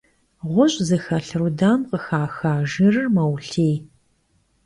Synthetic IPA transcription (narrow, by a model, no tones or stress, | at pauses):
ʁʷʊɕʼzɨxɐɬɨɾudaːmqəxaːxaːʒɨrɨmɐwɬeːj